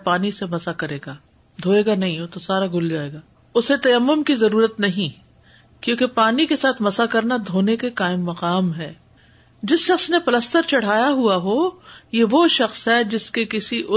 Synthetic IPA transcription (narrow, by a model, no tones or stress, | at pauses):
paːnisemɐsakɐɾeːɡaː | d̪ʱoːeːɡanɐɦĩɦot̪osaːɾaɡʱʊld͡ʒaːeːɡaː | ʊset̪ɐjɐmːʊmkizɐɾuːɾət̪nɐɦĩ | kjõːkepaːnikesaːt̪ʰmɐsakɐɾnad̪ʱoːnekekaːɪmːɐqaːmɦɛː | d͡ʒɪsʃɐxsnepɐləst̪əɾt͡ʃɐɽ̤aːjaɦuaɦoːjeʋoʃɐxsɦɦɛd͡ʒɪskekɪsiʔʊ